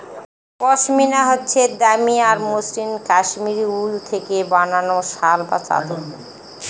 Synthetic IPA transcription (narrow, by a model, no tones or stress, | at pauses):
kɔʃminaɦotːɕʰed̪amiaɾmuslimkaʃmiɾiult̪ʰekebananoʃalba̰t͡ɕa̰d̪o